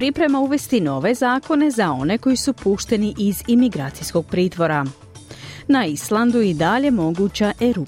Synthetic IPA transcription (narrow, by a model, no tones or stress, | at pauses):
pɾipɾe̞mauʋe̞st̪ino̞ʋe̞zaːko̞ne̞zao̞ne̞ko̞jisupuːʃt̪e̞niʔizimiɡɾaːt̪sijsko̞ɡ̚pɾiːt̪ʋo̞ɾa | naislˠand̪uid̪aʎe̞mo̞ɡut͡ɕaʔeɾu